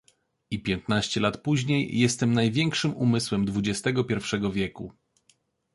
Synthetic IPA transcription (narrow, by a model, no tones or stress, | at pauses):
ipʲjɛnt̪naɕt͡ɕɛlat̪puʑɲejːɛst̪ɛmnajvʲjɛŋkʂɘmumɘswɛmd̪vud͡ʑɛst̪ɛɡɔpʲjɛɾfʂɛɡɔvʲjɛku